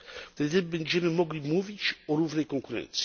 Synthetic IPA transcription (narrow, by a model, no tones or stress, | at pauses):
d̪ɛd̪ɛbɛɲʲd͡ʒɛmɘmɔɡlʲimuvʲit͡ʃɔɾuvnɛjkɔŋkuɾɛ̰nt̪si̥